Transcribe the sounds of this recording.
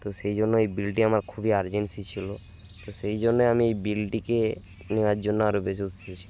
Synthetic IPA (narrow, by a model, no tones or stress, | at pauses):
t̪osejd͡ʑonːoejbilʈiamaɾkʰubiaɾd͡ʑensit͡ɕʰilo | t̪osejd͡ʑonːeamiejbilʈike | newaɾd͡ʑonːoaɾobes̬iut̪t͡ʃʰiet͡ʃʰi̥